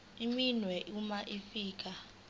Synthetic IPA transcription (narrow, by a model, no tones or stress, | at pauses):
iminwɛʔumaʔifiːk̬ʼa